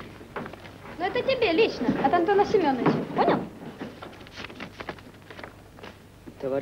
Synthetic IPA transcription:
noɛt̪ətʲɪbʲelʲit͡ɕnəɐt̪ɐnt̪onəsʲɪmʲonːəɪt͡ɕɪponʲəlˠ | t̪əvɐ

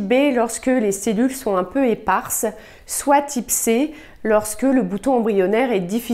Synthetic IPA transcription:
belɔʁskəleselylsɔ̃ɛ̃pøepaʁs | swat̪ʰipse | lɔʁskələbut̪ɔ̃ɑ̃bʁijɔnɛʁɛd̪ifi

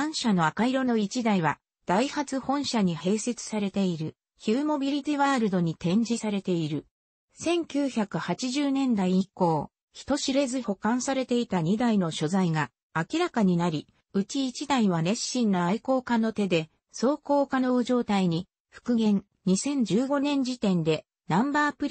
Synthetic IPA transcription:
ãɰ̃ɕano̞akaiɾo̞no̞it͡ɕid̪aiβa | d̪̥aihat͡sɨhõ̞ɰ̃ɕaɲ̟ihe̞ːse̞t͡sɨ̥saɾe̞t̪e̞iɾɯ̟ | çɨːmo̞bʲiɾʲit̪iβaːɾɯ̟d̪o̞ɲ̟it̪ẽ̞ɲ̟d͡ʑisaɾe̞t̪e̞iɾɯ̟ | sẽ̞ŋkʲɨːçakɯ̟hat͡ɕiʑɨːnẽ̞nd̪aiiko̞ː | çi̥t̪o̞ɕiɾe̞zɨho̞kãɰ̃saɾe̞t̪e̞it̪aɲ̟id̪aino̞ɕo̞zaiɡaː | kʲiɾakaɲ̟inaɾʲi | ɯ̟t͡ɕiːt͡ɕid̪aiβaɾe̞ɕːĩnːoaiko̞ːkãnːo̞t̪e̞d̪e̞ | so̞ːko̞ːkano̞ɯʑo̞ːt̪aiɲ̟i | ɸɯ̟̥kɯ̟ɡẽ̞n | ɲisẽ̞ɲ̟d͡ʑɨːɡo̞nẽ̞ɲ̟d͡ʑit̪ẽ̞nd̪e̞ | nãmbaːpɯ̟ɾʲ

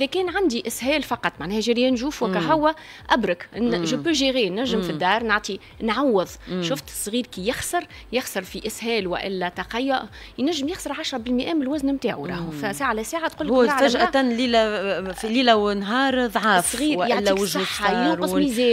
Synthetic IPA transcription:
ʔʔɪðɛkɛːnʕand̪iʔɪshɛːlfɑqɑt̪ˤːmaʕnɛːhæʒæɾjæːnʒuːfwækæɦʊwːæ | ʔæbɾɑkʒʊbuʒiɣiːnːæʒːɪmfid̪ːɑːɾˤnɑʕt̪ˤi | nʕawːɪðˤʃʊft̪sˤːɣiːɾkijɪxsɑɾˤ | jɪxsɑɾˤfiʔɪshɛːlwæ̰ʔɪlːɛt̪ɑqɑjːʊʔ | jnæʒːɪmjɪxsɑɾˤʕaʃɾˤɑbɪlmɪʔɛːmɪlwæznmt̪aːʕuɾˤɑːhfsaːʕalæsæːʕat̪̚qulːhaʕfæʒʔæt̪ænliːlæfiliːlæwnɦɑːɾˤðˤʕɑːfsˤɣiːɾjaɪlːikwɪʒsħːajuːsizɛː

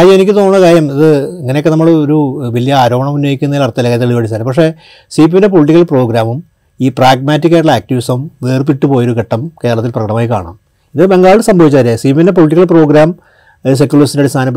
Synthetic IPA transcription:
ajɐenikʲːɨt̪o̞ːunːɐkaːɾjɐmiðɨɐŋːɐneokːenɐmːɐɭoɾuʋɐlijɐaːɾo̞ːmɐɳɐmunjoːjikʲːunːɐðilɐrt̪ːɐlɐkaːt̪iɐɭiʋɐɽit͡ɕːaːɾepɐkʂe̞ | siːp̬inde̞p̬oliʈːikːɐlpro̞ːɡɾaːmum | iːpraːɡ̚maːtːik̬ʲːaːjʈɭaːk̚tiʋisɐmʋeːrpiʈːɨpo̞ːjoɾukeʈːɐmke̞ːɾɐɭɐt̪ːilprɐkɐɽɐmaːjika̰ːɳa̰ːm | iðɨbe̞ŋɡaːɻɭsɐmbʱɐʋit͡ɕːaɾesiːpiɐnde̞p̬oɭiʈ̬ːikɐlpro̞ːɡɾaːm | s̬ekʲːjulɭɐsɐndɐɽist̪ʰaːnɐpː

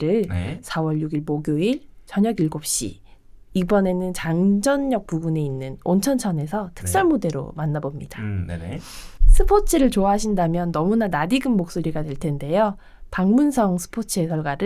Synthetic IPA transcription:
ɾɯɭsʰawʌɭjuɡiɭmoɡjoiɭt͡ɕʌɲʌɡiɭɡop̚ɕ͈ḭ | ibʌne̞nɯnt͡ɕaŋd͡ʑʌnːʌk̚puɡune̞inːɯnont͡ɕʰʌnt͡ɕʰʌne̞sʰʌtʰɯ̥k̚s͈ʌɭmode̞ɾo̰manːabomɲid̥an | sʰɯpʰot͡ɕʰɯɾɯɭt͡ɕoaɦaɕʰindamjʌnːʌmunanadiɡɯmmok̚s͈oɾiɡadwe̞ɭtʰe̞nde̞jo | paŋmunsʰʌŋsʰɯ̥pʰot͡ɕʰɯe̞sʰʌɭɡwaɾɯ

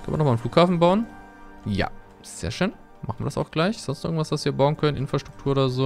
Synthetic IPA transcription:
kʰœ̰nv̰ɐnɔχmaːln̩fluːkhaːfn̩baʊən | ja̰ː | z̥ḛːɐʃøːn | ma̰χnviɐdɐsʔaʊxɡ̥laɪçz̥ɔnstʔɪ̰ɐɡŋ̩tv̥asv̥asviːɐbaʊənkʰœnənʔɪnfʁ̥aʃtʁ̥ʊktʰuːɐʔoːdɐzoː

